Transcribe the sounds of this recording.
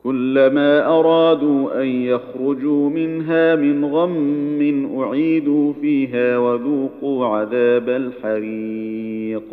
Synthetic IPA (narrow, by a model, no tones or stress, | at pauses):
kʊlːamaːʔɑɾˤɑːd̪uːʔanjaxɾʊd͡ʒuːmɪnɦaːmɪnɣamːɪnʔʊʕiːd̪uːfiːɦaːwaðuːquːʕaðaːbalħaɾi | q̚